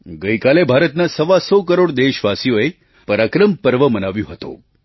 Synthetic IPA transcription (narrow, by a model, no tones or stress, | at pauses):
ɡəjkalebʱaɾət̪nasəʋasɔkəɾoɽd̪eʃʋasijoe | pəɾakɾəmpəɾʋəmənaʋjõɦət̪o̰